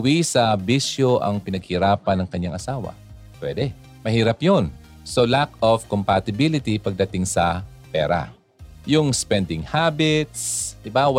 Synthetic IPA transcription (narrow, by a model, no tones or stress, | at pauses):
wisɐbiʃjoʔɐ̰ŋpɪnɐɡ̚hɪɾaːpɐnɐŋkɐɲːaŋʔɐsaːwɐ̰ | pwɛ̰d̪ɛ | mɐhiːɾɐpjon | solakov̥kompat̪ɪbilɪt̪ipɐɡ̚d̪ɐt̪ɪŋsɐ | pɛ̰ːɾa̰ | jʊŋspɛnd̪ɪŋhabɪt̪̚sd̪ɪbaw